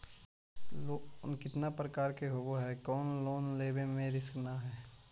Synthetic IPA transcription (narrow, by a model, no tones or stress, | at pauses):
onkɪt̪napɾəkaːɾkeɦoːboɦɛkɔːnloːnleːbẽmẽɾɪsknaɦɛː